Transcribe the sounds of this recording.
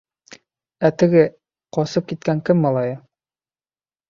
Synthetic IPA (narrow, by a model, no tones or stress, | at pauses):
æt̪ɘ̆ɡɘ | qɒsɤp̚kit̪̚kæŋkɘmːɑlˠɑjɤ